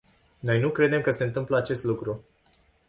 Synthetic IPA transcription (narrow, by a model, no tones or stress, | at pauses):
no̞jnukɾe̞d̪e̞mkəse̞ɨnt̪ɨmpləat͡ʃe̞st̪lukɾu